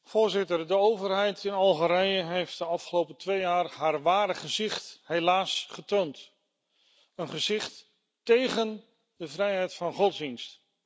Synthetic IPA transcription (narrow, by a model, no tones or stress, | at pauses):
v̥ʊːɹzɪtəɹdəowvəɹɦɛjtʰɪnɑlˠχəɾɛjəɦejft̚dəɑfχəlowpətʋejaːrɦaːɹʋaːdəχəzɪχtɦelaːsχətownt | ənχəzɪχtː | ejχən | dəvrɛjɦɛjtfɑnχɔtzdinst